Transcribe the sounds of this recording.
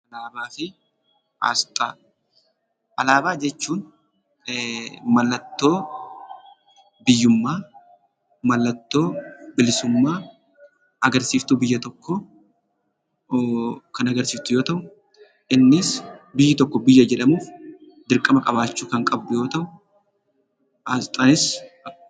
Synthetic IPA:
ʔɐlaːbaːfɪ | ʔa̰ːst̪ʼaː | ʔɐlaːbaːd͡ʒɛt͡ʃːuːn | mɐlːɐt̪ːo̞ː | bɪjːʊmːaː | mɐlːɐt̪ːo̞ːbɪlɪsʊmːaː | ʔɐɡɐɾsiːft̪ʊbɪjːɐt̪ɔkːɔ | kɐnɐɡɐɾsiːft̪ʊjo̞ːt̪ɐʔʊ | ʔɪnːɪsbɪjːɪt̪ɔkːɔbɪjːɐd͡ʒɛᶑɐmuːf | d̪ɪɾkʼːɐmɐkʼɐbaːt͡ʃːuːkɐŋkʼɐbdʊjo̞ːt̪ɐʔʊ | ɐt̪ʼɐnɪs

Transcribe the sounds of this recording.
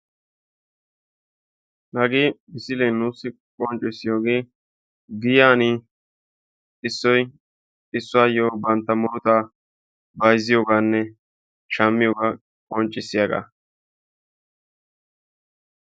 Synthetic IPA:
nɐɡeːmɪsɪlɛjnːuːsːɪ | kʼɔnt͡ʃʼɪsːɪjo̞ːɡeː | ɡɪjaːni | ɪsːɔj | ɪsːʊaːjoːbɐnt̪ːɐmʊɾʊt̪aː | bɐjzɪjoːɡaːnːɛ | ʃɐmːɪjoːɡa | kʼɔnt͡ʃʼːɪsːɪjaɡa̰ː

